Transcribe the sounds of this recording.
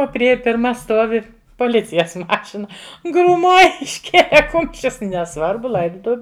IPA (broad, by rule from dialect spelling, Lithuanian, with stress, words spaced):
ˈoː pʲrʲɪˈeːjɛ pʲɪrˈmɐ ˈstuɔʋʲɪ poːˈlʲɪt͡sʲɪjɛs ˈmɑːʃʲɪnɐ ɡruːˈmoːj ɪʃʲˈkʲeːlʲɛ ˈkʊmʲʃʲt͡ʃʲʊs nʲɛˈsʋɐrbʊ ˈlˠɐɪdʊtʊʋʲʊ